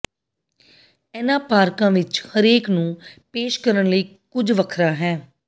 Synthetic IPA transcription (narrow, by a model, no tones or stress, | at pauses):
ɛːnãːpaːɾkãːʋɪt͡ʃhəɾeːknũːpeːʃkəɾənləiː | kʊd͡ʒʋəkʰɾaːɦɛː